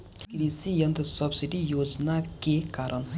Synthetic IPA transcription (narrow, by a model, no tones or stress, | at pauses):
kɾisijɐnd̪əsəbsiɖijoːd͡ʒnakekaːɾʔən